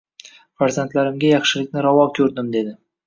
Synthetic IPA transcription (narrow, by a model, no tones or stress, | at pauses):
faɾʲzant̪læɾɘ̆mɡʲæjɒχʃɪ̆lɪ̆k̚ʲnɪɾɒwɑkʲʰɵɾd̪ɘmd̪ed̪ɪ